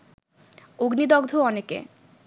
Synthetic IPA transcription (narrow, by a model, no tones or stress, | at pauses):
oɡnid̪ɔɡd̪ʱoɔnekḛ